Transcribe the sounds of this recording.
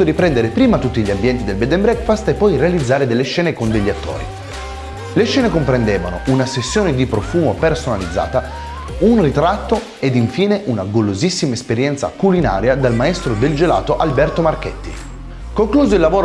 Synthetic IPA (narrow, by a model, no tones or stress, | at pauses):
oɾipɾɛnd̪eɾepɾiːmat̪ut̪ːiʎːambjɛnt̪id̪elbɛd̪embɾɛkfast̪epːɔjrealid̪zːaːɾed̪elːeʃːɛːnekond̪eʎːat̪ːo̰ːɾḭ | leʃːɛːnekompɾend̪eːva̰no̰unasesːjoːned̪ipɾofuːmopersonalid̪zːa̰ːt̪a | unrit̪ɾat̪ːo | ed̪iɱfiːneʔunaɡolozisːimaespeɾjɛnt̪sa̰kulina̰ːɾjad̪almaest̪ɾod̪eld͡ʒela̰ːt̪oʔalbɛrt̪omarkɛt̪ːḭ | koŋkluːzoilːavoːɾ